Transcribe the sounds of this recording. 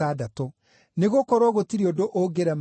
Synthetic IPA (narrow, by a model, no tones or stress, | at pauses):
adato | neɣokɔɾwɔɣotiɾiodoʔoɡeɾɛm